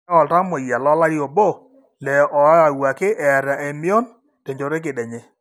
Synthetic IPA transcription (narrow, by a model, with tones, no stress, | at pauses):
ɔ˨lta˦mo˨ja˨lɔ˦la˦ɾjo˨bo˦˨ | lɛ˨ʔɔ˨˦a˨wa˨kɪ˦ʔɛ˨ɾa˨e˨mɪ˦ɔ˦n | te˨ɲd͡ʒo˨ɾe˦k̬ɪ˨ɗɛ˨ɲɛ˨